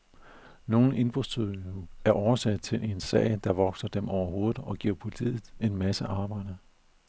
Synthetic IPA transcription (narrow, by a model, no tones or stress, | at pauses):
no̝ːn̩e̝nb̥ʁu̥st͡sʰyðˠuæɐʔɒʊɐsɛd̥̚t͡sʰe̝le̝nsɛ̰ɪd̥ɑ̈ʋɒ̽ɡ̥sɐd̥emɒʊ̰ɐɦo̝ːð̩ˠɒ̽ɡ̥iɐ̰pʰult͡sʰḭːð̩ˠe̝nmæsəʔɑ̈ːb̥ɑ̈ɪ̰d̥ɐ